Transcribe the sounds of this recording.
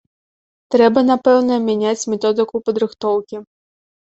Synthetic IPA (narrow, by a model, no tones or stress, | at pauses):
t̪ɾɛbɐnapɛwnɐmʲanʲat͡sʲmʲɛt̪ɔd̪ɨkupɐd̪ɾɨxt̪ɔwkʲi